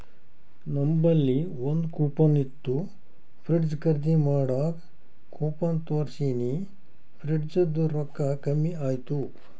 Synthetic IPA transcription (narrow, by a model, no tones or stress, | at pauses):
nɐmbɐlːiʋond̪kuːpɐnit̪ːu | pʰɾiʈd͡ʒkɐɾd̪imaːɽaːk | kuːpɐnt̪oːɾsiːni | pʰɾiʈd͡ʒɐd̪uɾɔkːɐkɐmːiaːjt̪u